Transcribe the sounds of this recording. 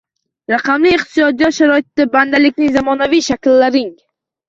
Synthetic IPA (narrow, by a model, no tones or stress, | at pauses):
ɾaqɑmliːqt̪ɪsɒd̪ijɒt̪ʃaɾɒɪt̪ːaband̪alɪkʲnɪŋzamɒnavijʃakʲlːaɾɪŋ